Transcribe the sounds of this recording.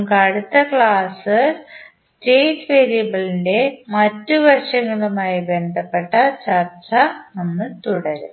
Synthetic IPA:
mkɐɽut̪ːɐkɭaːsɨsteːtʋe̞ːɾijɐbɐɭinde̞mɐtːuʋɐrʂɐŋːɐɭumaːjibe̞nd̪ʱɐpːe̞ʈːɐt͡ɕɐrt͡ɕɐɐnːɨt̪uɽɐɾṵ

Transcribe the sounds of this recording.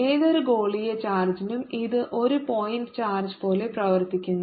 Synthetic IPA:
eːðoɾuɡo̞ːɭijet͡ɕaːrd͡ʑinumiðɨʔo̞ɾupo̞jinɖɨt͡ɕaːrd͡ʑpo̞ːle̞prɐʋɐrt̪ikʲːunː

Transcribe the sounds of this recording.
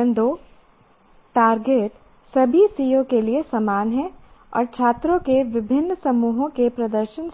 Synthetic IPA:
ə̃nd̪o | ʈaːɾɡeːʈ | sɐbʱisijõkeliesɐmaːnɦɛ̃ɔ̰ːɾt͡ʃʰaːt̪ɾõkeʋɪbʱɪnːsɐmuːɦõkepɾɐd̪əɾʃən

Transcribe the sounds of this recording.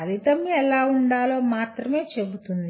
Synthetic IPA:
ɐlit̪ɐmɛlaːuɳɖaːlo̞ːmaːt̪ɾɐme̞ːt͡ʃe̞but̪und̪i

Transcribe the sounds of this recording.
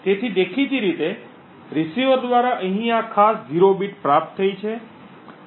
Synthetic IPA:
t̪et̪ʰid̪ekʰid͡ʒiɾit̪e | ɾisiod̪ʋaɾaʔəɦĩakʰasd͡ʒiɾobiʈpɾap̚t̪ʰːəit͡ʃʰe

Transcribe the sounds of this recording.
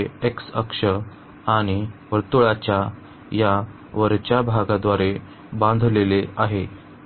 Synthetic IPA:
eeksəkʂə | aɽ̃iʋəɾt̪uɭat͡ɕja | ja | ʋəɾt͡ɕjabʱaɡad̪ʋaɾe | bãnd̪ʱleleaɦe

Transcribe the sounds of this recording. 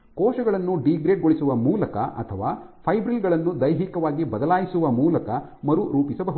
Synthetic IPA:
kɔːʃɐɡɐɭɐnːuɖiɡɾeːɖɡoɭisuʋɐmuːlɐkɐ̰ʔɐ̰t̪ʰɐʋaːpʰɐjbɾilɡɐɭɐnːud̪ɐjɦikɐʋaːɡibɐd̪ɐlaːjisuʋɐmuːlɐkɐ | mɐɾuɾuːpisɐbɐɦu

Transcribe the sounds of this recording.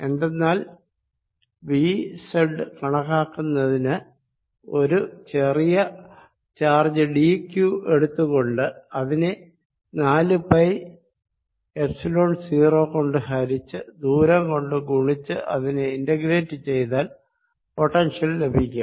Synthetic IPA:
e̞nd̪e̞nːaːl | ʋiːseɖɨkɐɳɐkːaːkːunːɐðinɨ | o̞ɾut͡ɕe̞rijɐ | t͡ɕaːrd͡ʑɨɖikjue̞ɽut̪ːuɣo̞ɳɖɨɐðine | naːlɨpɐj | epsilo̞ːɳsiːro̞ːko̞ɳɖɨhɐɾit͡ɕːɨd̪uːɾɐŋko̞ɳɖɨɡuɳit͡ɕːɨʔɐðineindɐɡɾe̞ːtːɨt͡ɕe̞jt̪aːl | po̞ʈːɐnʂijɐlle̞bʱikʲːa

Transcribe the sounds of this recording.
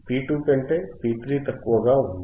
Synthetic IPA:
piːʈuːpeɳʈepiːp̪ɾiːt̪ɐkːuɐɡaː

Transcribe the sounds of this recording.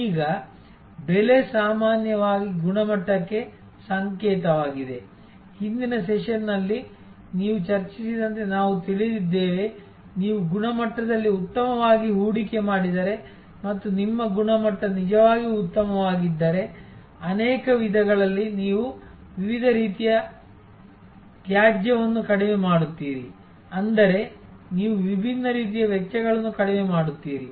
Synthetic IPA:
iːɡɐ | bele̞saːmaːnjɐʋaːɡiɡuɳɐmɐʈːɐkːe̞ | sɐŋkɛːt̪ɐʋaːɡid̪e̞ | hind̪inɐsɛʃɐnːɐlːi | niːʋut͡ʃɐɾt͡ʃisid̪ɐnt̪e̞naːʋut̪iɭid̪id̪ːe̞ːʋe | niːʋuɡunɐmɐʈːɐd̪ɐlːiut̪ːɐmɐʋaːɡiɦuːɽike̞maːɽid̪ɐɾe̞ | mɐt̪ːunimːɐɡuɳɐmɐʈːɾɐnid͡ʒɐʋaːɡiut̪ːɐmɐʋaːɡid̪ːɐɾe̞ | ɐneːkɐʋid̪ʱɐɡɐɭɐlːiniːʋuʋiʋid̪ʱɐɾiːt̪ijɐ | ɡjaːd͡ʒjɐʋɐnːukɐɽimemaːɽut̪ːiːɾi | ɐnd̪ɐɾe̞ | niːʋuʋibʱinːɐɾiːt̪̬ijɐʋjɛkʃɐɡɐɭɐnːukɐɽɛmemaːɽut̪ːiːɾi

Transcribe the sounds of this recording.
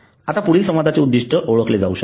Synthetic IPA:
at̪apuɽ̤iːlsə̃mʋad̪ʱat͡ɕeud̪ːiʂʈəʔoɭəkled͡zauɕə

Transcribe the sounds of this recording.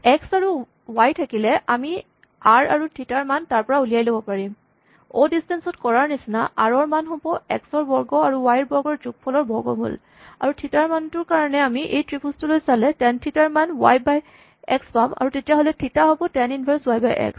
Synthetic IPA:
ɛksaɹu | wajtʰakilɛʔami | aɹaɹutʰitaɹmantaɹpɔɹaulijajlobɔpaɹim | o̰distɛnsɔtkɔɹaɹnisnaʔaɹɔɹmanɦɔ̃bɔɛ̰ksɔɹbɔɹɡɔaɹuwajɹbɔɹɡɔɹzuk̚pʰɔlɔɹbɔɹɡɔ̰mṵl | a̰ɹutʰitaɹmantʊɹkaɹɔnɛamiʔejtɹipʰustulojsalɛtɛntʰitaɹmanwa̰jbaj | ɛ̰kspama̰ɹutetijaɦolɛtʰitaɦobɔtɛninbʱɛɹswajbajʔɛ̰ks

